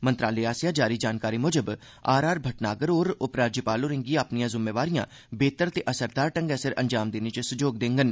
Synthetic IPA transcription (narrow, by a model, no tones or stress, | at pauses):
mə̃nt̪ɾaːleaːsjaːd͡ʒaːɾid͡ʒaːnkaːɾimoːd͡ʒəb | aːɾaːɾbʱɐʈnaːɡəɾoːɾʊpɾaːɾd͡ʒipaːloːɾɪ̃ŋɡiaːpnijãːzʊmːeːʋaːɾijãː | beːt̪əɾt̪eʔəsəɾd̪aːɾʈə̃ŋɡɛsəɾʔə̰ɲd͡ʒaːmd̪eːnet͡ʃsʊd͡ʒoːɡ̚d̪ẽːŋɡən